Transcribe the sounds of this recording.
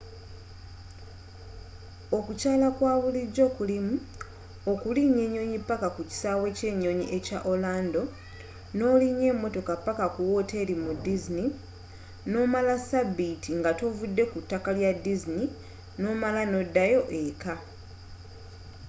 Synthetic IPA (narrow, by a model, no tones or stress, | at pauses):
o̞kucaːlakwaːβuliɟo̞kulimu | okuliɲe̞ːɲo̞ɲipːakakuci̥saːwe̞ce̞ːɲːo̞ɲiʔe̞caʔolaːndo̞ | no̞ːliɲe̞ːmːo̞to̞kapːakakuwo̞te̞ːlimudizini | no̞ːmalasabitiŋɡatovudːe̞kutːakaljadːizini | no̞malano̞dːajo̞ʔe̞ka